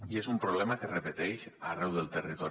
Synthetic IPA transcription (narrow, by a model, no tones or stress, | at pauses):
iezumpɾoβlɛmakerepet̪ɛʃarɛwðelˠt̪erit̪ɔ